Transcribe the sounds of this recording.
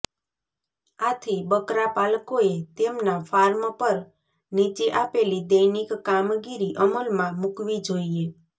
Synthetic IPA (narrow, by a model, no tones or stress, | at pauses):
at̪ʰibəkɾapalkoet̪emnafaɾmpəɾ | nit͡ʃeʔapelid̪əjnikːamɡiɾiʔəməlmãmukʋid͡ʒoie